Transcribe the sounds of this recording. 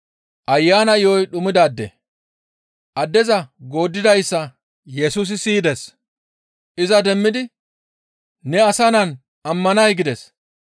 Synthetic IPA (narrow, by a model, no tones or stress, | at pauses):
ʔɐjːaːnɐɪjɔjɗʊmɪd̪aːd̪ːɛ̰ | ʔɐd̪ːɛzɐɡo̞ːd̪ːɪd̪ɐjsːɐ | jɛsuːs̬ɪsiːd̪ɛs | ʔɪzɐd̪ɛmːɪd̪ɪ | nɛɐsɐnɐn | ɐmːɐnɐjɡɪd̪ɛs